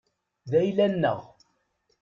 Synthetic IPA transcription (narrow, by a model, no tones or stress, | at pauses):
ðæjlænːə̰ʁ